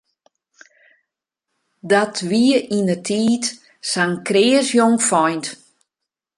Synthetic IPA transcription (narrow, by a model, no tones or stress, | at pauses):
dɔtʰʋiəinətʰiːt | saŋkreːəsjoŋfɔjnt